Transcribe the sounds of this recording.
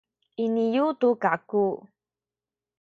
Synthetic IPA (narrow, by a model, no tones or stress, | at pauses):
ʔinijutukaku